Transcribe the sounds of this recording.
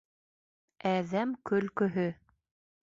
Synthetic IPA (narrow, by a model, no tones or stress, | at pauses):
æðæmkɵ̆lkɵ̆ɦɵ